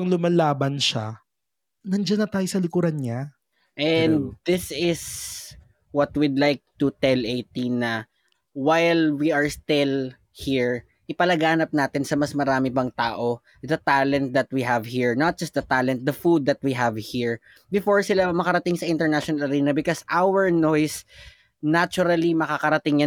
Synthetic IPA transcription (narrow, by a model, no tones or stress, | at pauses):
ɐŋlʊmɐlaːbɐnʃa | nɐnd͡ʒanːɐt̪aːjosɐlɪkuɾɐnɲa | ʔɛnd̪d̪ɪsɪs | wɐt̪̚wɪd̪lajk̚t̪ʊt̪ɛlʔejt̪inɐ | wajlwiʔɐɹst̪ɪl | hiɹ | ʔɪpɐlɐɡaːnɐp̚naːt̪ɪnsɐmɐsmɐɾaːmɪbɐŋt̪aːʔo | d̪ɐt̪alɛ̃nt̪̚d̪ɐt̪̚wiɦɐvhiɹnɐt̪̚d͡ʒɐst̪̚d̪ɐt̪alɛ̃nt̪̚d̪ɐfud̪̚ːɐt̪̚wiɦɐvhiɹ | bɪfoɹsɪlamɐkɐɾɐt̪ɪŋsɐʔɪ̃nt̪ɛɹnaʃɔnɐlɐɾiːnɐbɪkosʔawɛɹnojs | nat͡ʃʊɾɐlimɐkakɐɾɐt̪ɪŋja